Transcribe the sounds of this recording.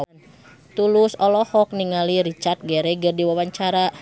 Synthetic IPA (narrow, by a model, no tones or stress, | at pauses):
n | t̪ulusɔlɔhɔk̚niŋaliɾit͡ʃart̪̚ɡɛɾɛɡərdiwawaɲt͡ʃaɾa